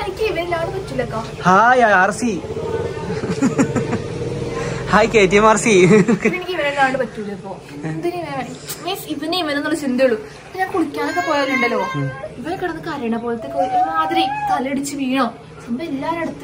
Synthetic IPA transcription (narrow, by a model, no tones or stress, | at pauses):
enikʲːɨiʋɐɾilaːɽɨpɐtːulːɐkːaː | haːjaarsi | haːjkʲːeːt̪̬ːijɐmaɾsienikʲːiʋɐneilaːɽɨpɐtːulːɐipːo̞ː | nd̪ineʋɐjaɳimeːniʋɐnejiʋenːenːuɭːɐt͡ɕind̪ijoɭːu | ɐpːoɲaːnkuɽikʲːaːnɐkːɐpoːjaːuɳɖɐloːiʋɐɾekːɐɽɐnːɨkaːɾjɐɳɐpoːlɐt̪ːekːoaːd̪ɐɾit̪ɐleɽit͡ɕːɨʋiːɳoː | t͡ɕind̪ɐelːaːnɐɽut̪ːɨ